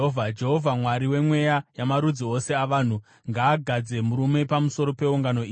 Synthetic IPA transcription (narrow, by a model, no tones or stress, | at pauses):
vʱad͡ʒeɦovʱamwaɾiwe̞mwe̞jajamaɾud͡zio̞se̞aʋaːn̤u | ŋɡaːɡʱad͡ze̞muɾume̞pamuso̞ɾo̞pe̞uŋɡano̞iː